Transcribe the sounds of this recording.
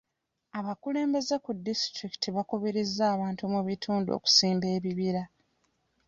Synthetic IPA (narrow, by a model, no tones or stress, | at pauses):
aβakule̞ːmbe̞ze̞kudːistɾiki̥tʰiβakuβiɾizːaːβaːntumuβitʰuːnduo̰ku̥siːmbe̞ːβiβiɾa